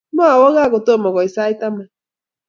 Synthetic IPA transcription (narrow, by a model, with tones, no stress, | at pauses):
ma˦a˨wɔ˦ɣa˦ɣo˨to˦˨mɔ˨ɣɔ˨i˨sa˦i˦ta˦ma˨